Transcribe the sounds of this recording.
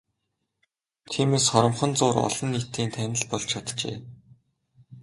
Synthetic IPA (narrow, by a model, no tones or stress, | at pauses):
t̪ʰiːmeːsχɔɾɞ̆mχɞ̆nt͡sʊːɾɔ̰ɮɞ̆nːit̪iːnt̪ʰænʲɪ̆ɮpɔɮt͡ɕʰat̪t͡ɕḛː